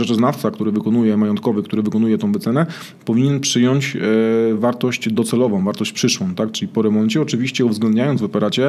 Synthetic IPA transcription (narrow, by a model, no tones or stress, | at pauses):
ʐɛt͡ʂɛznaft̪sakt̪uɾɘvɘkɔnujɛmajɔnt̪̚kɔvɘkt̪uɾɘvɘkɔnujɛt̪ɔ̃w̃bɛt̪sɛnɛ | pɔviɲɛnpʂɘjɔɲt͡ɕ | vaɾt̪ɔɕt͡ɕd̪ɔt̪sɛlɔvɔ̃w̃vaɾt̪ɔɕt͡ɕpʂɘʂwɔ̃w̃t̪ak̚t͡ʂɘlʲipɔɾɛmɔnt͡ɕɛɔt͡ʂɘvʲiɕt͡ɕɛuvzɡlɛnd̪ɲajɔnd̪vɔpɛɾat͡ɕɛ